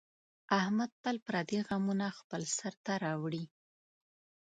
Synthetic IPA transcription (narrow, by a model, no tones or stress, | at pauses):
ahmad̪̚palpɾɑd̪iɣamunaxpəlsaɾt̪aɾɑwɽi